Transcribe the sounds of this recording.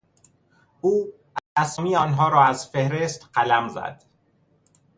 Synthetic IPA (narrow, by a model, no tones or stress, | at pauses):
ʔuː | ææsɔmijɒːnɦɒːɾɒːæzfehɾest̪ɢælæmzæ̰d̪̥